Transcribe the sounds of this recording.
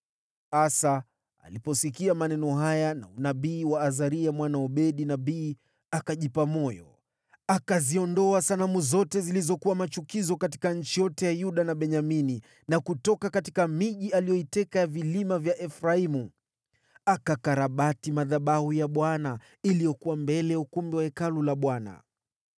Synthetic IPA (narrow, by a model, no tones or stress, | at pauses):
asa | a̰lipɔsikiamanɛnɔɦajana̰unaɓiːwaːzaɾiamwanaɔɓɛɗinaɓiː | akaʄipamɔjɔ̰ | akaziɔndɔasanamuzɔtɛzilizɔkuwamat͡ʃukizɔkati̥kaɲ̩t͡ʃijɔtɛjajuɗanaɓɛɲamini | nakutɔkakatikamiʄialijɔitɛkajavilimavjaʔɛfɾaimu | akakaɾaɓatimaðaɓahujaɓwana | ilijɔkuwambɛlɛjaukumbiwaɛkalulaɓwana̰